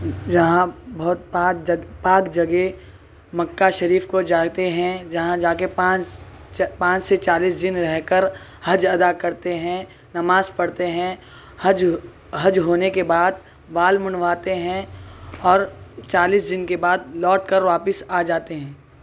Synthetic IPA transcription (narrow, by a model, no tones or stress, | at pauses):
d͡ʒɐɦãbɔɦt̪̚papaːkd͡ʒɐɡe | mɐkːaʃɐɾiːfkod͡ʒaːɡt̪eɦɛ̃d͡ʒɐɦãd͡ʒaːkepãːt͡ʃ | pãːt͡ʃset͡ʃaːliːsd̪ɪnɾɛɦkəɾ | hɐd͡ʒɐd̪akɐɾt̪eɦɛ̃ | nɐmaːzpɐɽt̪eɦɛ̃ | hɐd͡ʒ | ɦɐd͡ʒɦoːnekebaːd̪ | ʋaːlmʊ̃ɳʋaːt̪eɦɛ̃ɔːɾt͡ʃaːliːsd̪ɪnkebaːd̪̚lɔːʈkəɾʋaːpɪsaːd͡ʒaːt̪eɦɛ̃ː